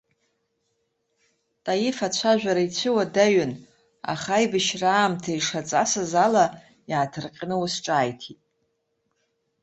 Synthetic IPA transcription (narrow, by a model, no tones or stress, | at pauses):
tʼajɪfat͡ɕʷʰaʒᶣʷaɾait͡ɕʷʰɨwadaɥʏn | a̰χajbɨʃraːmtʰaiʂat͡sʼasɨzala | jaːtʰɨrqʲʼnɨwusʈ͡ʂʼaːjtʰitʼ